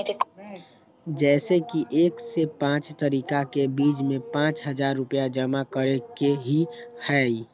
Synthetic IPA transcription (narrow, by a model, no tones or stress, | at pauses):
d͡ʒɛːsekiʔeːksepãːt͡ʃt̪əɾiːkakebiːd͡ʒmẽpãːt͡ʃɦəd͡ʒaɾːʊpjad͡ʒəmakəɾekeɦihɛi